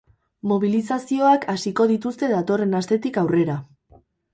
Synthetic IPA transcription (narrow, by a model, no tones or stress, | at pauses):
mo̞β̞ilisasio̞akasiko̞ðit̪ust̪e̞ðat̪o̞re̞nast̪e̞t̪ikawre̞ɾa